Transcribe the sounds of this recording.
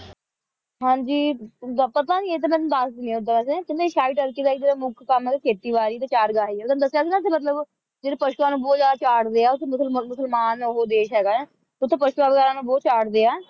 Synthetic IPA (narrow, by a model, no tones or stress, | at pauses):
ɦãːd͡ʒiːpət̪ãːd͡ʒiːeːt̪eːmɛ̃nd̪əsd̪ɪnẽːʊd̪aɛːs̬ẽkɪnd̪eːʃaːiːʈəɾkeːd̪aːiːd͡ʒeːɾaːmʊkʰkəmɦɛːɡaːkʰeːt̪iːʋaːɾiːt̪eːt͡ʃaːɾɡaːɦiːɛːd̪əd̪əsːjaːsinãːs̬emət̪̬ləb | d͡ʒeːd̪eːpəʃuãːnũːbɔːt̪d͡ʒaːd̪aːt͡ʃaːɽd̪eːaːʊt̪ʰːẽːmʊsəlmʊsəlmaːnoɦoːd̪eːʃɦɛːɡaːɛ̃ː | t̪ːʊt̪ʰːẽːpəʃuaːʋəɡɛːɾãːnũːbɔːt̪t͡ʃaːʈd̪eːaː